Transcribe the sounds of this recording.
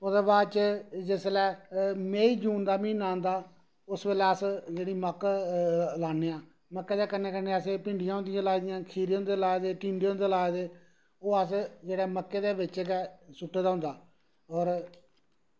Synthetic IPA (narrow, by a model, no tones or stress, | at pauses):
ʊd̪eːbaːd̪t͡ʃd͡ʒɪslɛːmeːiːd͡ʒuːnd̪aːmĩːnãːnd̪aː | ʊsbeːlɛːəsd͡ʒeːɽiːməkː | laːnːeːãː | məkːeːd̪eːkəneːkəneːəseːpɪɳɖɪjãːʊ̃nd̪ɪjãːlaːid̪ɪjãːkʰiːɾeːʊnd̪eːlaːed̪eːʈĩːnd̪eːõnd̪eːlaːed̪eː | oːəsd͡ʒeːɽɛːməkːeːd̪eːbɪt͡ʃeːɡɛːsʊʈʰːeːd̪aːɦʊnd̪aː | ɔːɾ